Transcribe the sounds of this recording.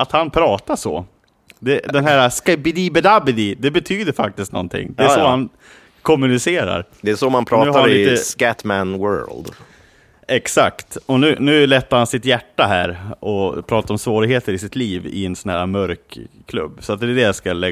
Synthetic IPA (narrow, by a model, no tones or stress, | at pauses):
at̪hanpʰɾɑːt̪aʂɔ̰ | d̪ɛd̪ɛnɦæːɾaskɛbɪd̪ibɛd̪abɪd̪ɪd̪ɛbɛt̪ʰyːd̪əɾfa̰k̚t̪ɪst̪nɔ̰nt̪ʰɪ̰ŋːd̪ɛæsɔhan | kʰɔmːʉnɪseːɾa̰ɾd̪ɛæsɔmanpʰɾɑːʉːhaaanit̪əskæt̪mænwœ̰ːld̪ | ɛksa̰kt̪ɔnʉ̟ːnʉ̟ːlɛt̪ːaɾhansɪt̪jæʈːaɦæ̰ːɾɔpʰɾɑːt̪aɾɔmsvoːɾɪɡheːt̪əɾɪsɪt̪liːvɪ̰ɛnsɔnhæ̰ːɾamœɾkʰːlɵ̰bːsɔat̪̚d̪ɛːɖɛjaskalɛ